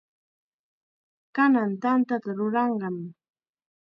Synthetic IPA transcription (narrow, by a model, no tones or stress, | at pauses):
kanant̪ant̪at̪aɾʊɾɑɴɢɑm